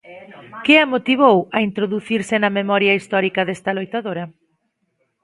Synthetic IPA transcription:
kɪɐmot̪iβ̞owɐint̪ɾoðuθiɾsɪnɐmemɔɾjɐist̪ɔɾikɐðɛst̪ɐlojt̪aðoɾɐ

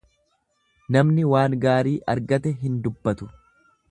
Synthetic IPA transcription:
nɐmnɪwaːŋɡaːɾiːʔɐɾɡɐt̪ɛɦɪnd̪ʊbːɐt̪ʊ

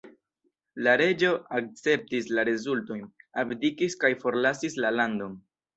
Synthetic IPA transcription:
laɾe̞d͡ʒo̞ak̚t͡se̞p̚tislaɾe̞zulto̞jnabdikiskajfo̞ɾlasislalando̞n

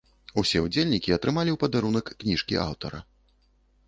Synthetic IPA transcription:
usʲɛud͡zʲelʲnʲikʲiɐt̪ɾɨmalʲiwpɐd̪aɾunɐkːnʲiʂkʲḭʔa̰wt̪ɐɾɐ̰

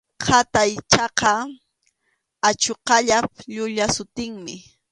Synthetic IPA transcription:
qʰat̪ajt͡ʃɑqɑ | at͡ʃoqɑʎap̚ʎʊʎasʊt̪ɪŋmɪ

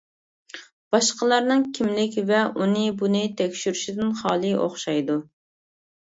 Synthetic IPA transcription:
b̥ɑʃqəlˠɑɾnɨŋkʲʰimlɪkʲvɛunɨbunɨt̪ʰɛkʲʃyɾyʃid̪ɪnχɑːlˠɨʔoχʃɑjd̪u

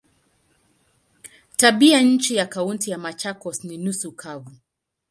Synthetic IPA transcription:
taɓiaɲ̩t͡ʃijakauntijamat͡ʃakɔsninusukʰavu

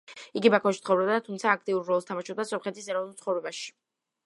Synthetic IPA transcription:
iɡibakʰɔʃt̪sχɔvɾɛbd̪at̪ʰumt̪sʰaːk̚ʰt̪ʼiuɾɾɔlˠst̪ʰamaʃub̚d̪asɔmχɛt̪ʰisɛɾɔvnulˠt̪sχɔvɾɛbaʃi̥

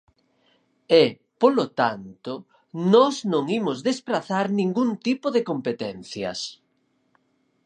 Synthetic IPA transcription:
ɛ | polot̪ant̪o | nɔznõŋimozðespɾaθaɾnĩŋɡunt̪ipoðekompet̪ɛnθjɐ̰s

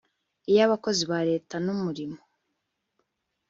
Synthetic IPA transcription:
ijaβako̞ziβaɾe̞ːtanumuɾimo

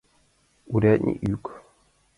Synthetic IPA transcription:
uɾaɲḭʔuk

